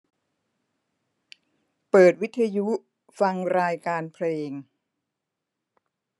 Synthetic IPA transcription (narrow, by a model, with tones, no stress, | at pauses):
pɤː˨˩t̪̚wi˦˥t̪ʰːa˧ju˦˥ | fa˧ŋɾaː˧jkaː˧npʰleː˧ŋ